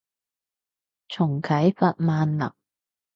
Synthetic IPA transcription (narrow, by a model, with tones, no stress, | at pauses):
t͡ʃʰʊ˨˩ŋkʰɐ˨˥jfɐ˨t̚maː˨nlɐ̰˨˩ŋ̚